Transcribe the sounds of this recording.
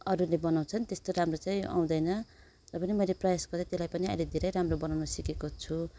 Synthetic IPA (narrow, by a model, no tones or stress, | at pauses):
ʌɾulebʌnaw̃t͡sʰʌnt̪est̪oɾamrot͡saj̃a̰w̃d̪ʌjnʌ | rʌpʌnimʌjleprʌjasɡʌrd̪at̪elajpʌniʌ̰jled̪ʱeɾʌjɾamrobʌnawnʌsikekot͡sʰu